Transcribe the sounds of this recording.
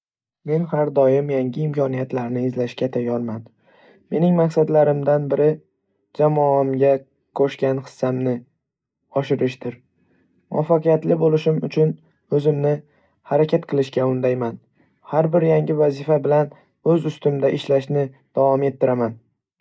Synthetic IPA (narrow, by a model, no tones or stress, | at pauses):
me̞nhaɾd̪ɒjɪmjaŋʲɪɪmkʰɒnijat̪laɾnɪɪzlaʃkʲat̪ʰajɒlman | me̞nɪŋmaksad̪laɾɪmd̪anbɪɾɪ | d͡ʒamɒamɡʲa | kʰoʃkʲanχɨ̥sːamnɪ | ɒʃɪɾɪʃd̪ɪɾ | mʊafːaqɨjat̪lɪbolɪʃɪmʊt͡ʃʰʊn | ɵzɪmnɪ | haɾakʲʰat̪qʰɨlˠɪʃkʲaʊnd̪ajman | haɾbɪɾjaŋɡʲɪvazɪfabɪlan | ɵzʊst̪ɪmd̪aʔɪʃlaʃnɪ | d̪̥avɒme̞t̪ʰːɪɾaman